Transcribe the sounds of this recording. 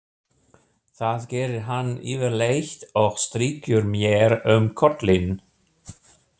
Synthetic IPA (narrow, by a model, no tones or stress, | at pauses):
θaːðɡɛːɾɪɦanḭːvəlejçt̪ɔxst̪ɾiːkʰʏɾmjɛːɾœmkʰɔt̪lɪn